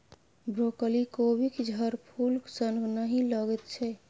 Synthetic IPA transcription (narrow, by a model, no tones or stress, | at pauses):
bɾokəlikobʱikd͡ʒʱəɾpʰulsənɡnəɦĩləɡɛt̪t͡ʃʰɛ